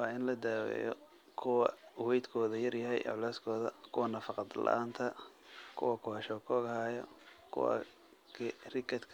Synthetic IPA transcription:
wɑːɪnlɐd̪aːwɛ̰jɔ̰ | kʰʊwɐwɛjd̪kʰɔːðɐjɐrjɐɦɛ̰jʕʊlɛːskʰɔːðɐ̰kʰʊwɐnɐfɑqɑd̪lɐ̰ʔaːnt̪ʰɐkʰʊ̰wɐkʰɔhɐʃɔːkʰɔːɣɐɦaːjɔ̰kʰʊ̰wɐ̰ | kʰrɪkɐt̪kʰ

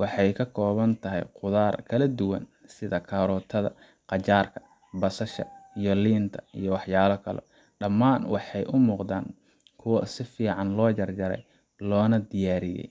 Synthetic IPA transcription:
wɑħɑjkʰɐkʰɔːβɐnt̪ʰɐɦɛ̰jqʊðaːrkʰɐlɐd̪ʊwɐ̰n | sɪðɐkʰɐɾɔːt̪ʰɐðɐ̰ | qɑt͡ʃaːrkʰɐ̥ | bɐsɐʃɐ̰ijɔliːnt̪ʰɐijɔwɑħjaːlɐkʰɐlɔ̰ | ɖɐmːaːnwɑħɑjʔʊmuːqd̪aːŋ | kʰʊwɐsɪfiːʕɑnlɔːd͡ʒɐrd͡ʒɐɾɛ̰j | lɔːnɐd̪ɪjaːɾɪjɛ̰j

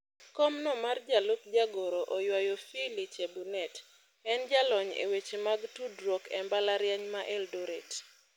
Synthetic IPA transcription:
kɔmnɔmard͡ʒalʊk̚d͡ʒaɡoɾoʔɔjwajofilit͡ʃebunɛt | ɛnd͡ʒalɔɲḛwet͡ʃemaɡtudɾwɔkɛmbalaɾjaɲmaʔɛldoɾet

